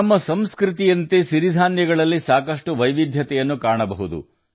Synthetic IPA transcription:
ɐmːɐsɐmskɾit̪ijɐnt̪esiɾid̪ʱaːnjɐɡɐɭɐlːisaːkɐʂʈuʋɐjʋid̪ʱjɐt̪ɛjɐnːukaːɳɐbɐɦud̪ṵ

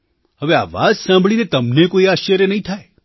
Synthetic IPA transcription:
həʋea̰ːʋa̰d͡ʒsãmbʱɭinet̪əmnekoiaːʃəɾjənəɦĩt̪ʰae

